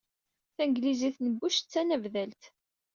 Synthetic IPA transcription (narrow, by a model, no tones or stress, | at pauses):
θænɡliziθnəbːʊʃt͡sːænəvðælt̪